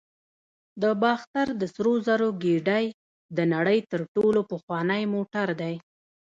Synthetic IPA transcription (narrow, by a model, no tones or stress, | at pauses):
d̪əbɑxt̪aɾd̪əsɾozaɾoɡiɖaj | d̪ənaɽəjt̪əɾʈolopəxwɑnəjmoʈaɾd̪aj